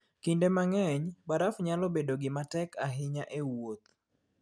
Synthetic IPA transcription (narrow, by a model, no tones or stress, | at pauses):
kindemaŋɛɲbaɾafɲalɔbedoɡɪmatɛkaɦɪɲaʔewot̪̚